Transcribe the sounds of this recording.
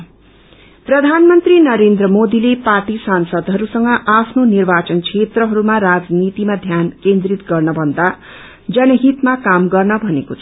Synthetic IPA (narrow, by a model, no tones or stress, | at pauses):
prʌd̪ʱanmʌnt̪rinʌɾend̪rʌmod̪ileparʈisansʌd̪ɦʌɾusʌŋɡʌʔapʰnonirbat͡sʌnt͡sʰet̪rʌɦʌɾumarad͡znit̪imad̪ʱjankend̪rit̪ɡʌrnʌbʱʌnd̪a | d͡zʌnʌɦit̪makamɡʌrnʌbʱʌnekot͡sʰʌ